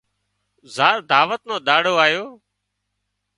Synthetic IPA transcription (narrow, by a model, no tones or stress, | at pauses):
zaːɾd̪ʱaːʋət̪nõːɗ̪aːɽoːaːjoː